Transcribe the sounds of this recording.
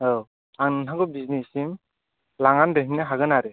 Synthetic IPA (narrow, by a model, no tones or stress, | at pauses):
ow | aŋnɯnɦaɡɯbiznisim | laŋandeɦinːɯɦaɡɯnaɾɯ